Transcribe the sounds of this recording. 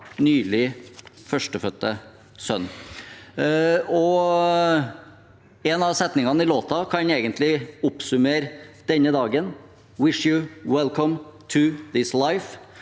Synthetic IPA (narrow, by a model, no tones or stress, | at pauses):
nyːlɪfœʂʈəfœt̪ːə | sœ̰nː | ɔ | ɛnɑʋsɛt̪nɪŋɑnəɪloːt̪ɑkʰɑneːɡənt̪ʰlɪʊpsʉmeːɾd̪̥ɛnːəd̪ɑːɡən | wɪʂjʊwɛlkʰɔmt̪ʰʉðɪslaɪf